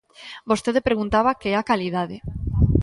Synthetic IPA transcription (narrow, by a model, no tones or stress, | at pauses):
bost̪eðepɾeɣunt̪aβakeɛakalið̞aðe